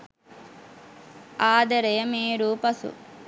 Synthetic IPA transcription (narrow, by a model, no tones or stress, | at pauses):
aːd̪ɐɾejɐmeːɾuːpɐsṵ